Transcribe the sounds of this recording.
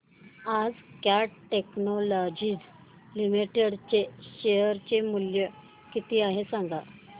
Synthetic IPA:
ad͡zkjaʈeknolɔd͡ʑiːd͡z | limiʈeɽt͡ɕeɕeəɾt͡ɕemuljə | kit̪iːaɦesaŋɡa

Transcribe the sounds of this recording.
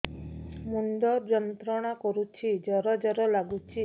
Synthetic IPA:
mund̪ɔɾd͡ʒɔnt̪ɾɔɽ̃akɔɾut͡ʃʰid͡ʒɔɾɔd͡ʒɔɾɔlaɡut͡ʃʰi

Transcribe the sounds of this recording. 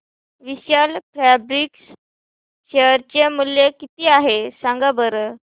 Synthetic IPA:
ʋiɕjalfɾæbɾiks | ɕeəɾt͡ɕemuljekit̪iːaɦesaŋɡabəɾə

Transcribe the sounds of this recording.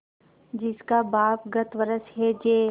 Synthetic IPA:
d͡ʒɪskabaːpɡət̪ʋəɾəsɦɛd͡ʒeː

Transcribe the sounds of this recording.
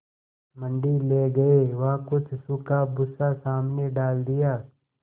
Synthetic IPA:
mə̃ɳɖileːɡɐeʋɐɦkʊt͡ʃʰsʊkabʊsasaːmneɖaːld̪ɪjaː

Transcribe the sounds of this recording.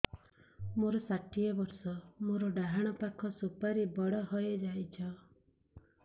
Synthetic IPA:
moɾɔsaʈijebɔɾsɔmoɾɔɖaɦaɽ̃ɔpakʰɔsupaɾibɔɽɔɦɔjed͡ʒajt͡ʃʰɔ

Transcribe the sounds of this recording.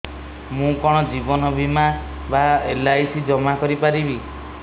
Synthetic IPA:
mũkɔɽ̃ɔd͡ʒibɔnɔbʱima | baelajsid͡ʒɔmakɔɾipaɾibi

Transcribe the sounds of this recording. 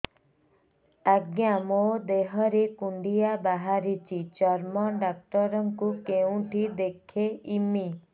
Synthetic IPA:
aɡjamod̪eɦɔɾekuɳɖijabaɦaɾit͡ʃʰit͡ʃɔɾmɔɖak̚ʈɔɾɔŋkukeũʈʰid̪ekʰeimi

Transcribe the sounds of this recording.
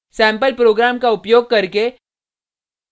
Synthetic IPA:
sɛ̃ːmpəlpɾoːɡɾaːmkaʊpjoːɡ̚kɐɾke

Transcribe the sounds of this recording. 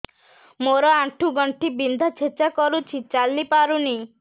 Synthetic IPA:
moɾɔaʈʰuɡɔɳʈibind̪ʱat͡ʃʰet͡ʃakɔɾut͡ʃʰit͡ʃalːipaɾuni

